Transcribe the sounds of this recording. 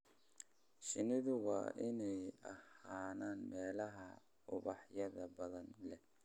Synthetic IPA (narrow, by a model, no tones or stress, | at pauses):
ʃɪnɪðʊwɑ̰ːʔɪnɛjɐhaːnaːnmɛːlɐɦɐ | ʊβɑħjɐðɐbɐðɐnlɛ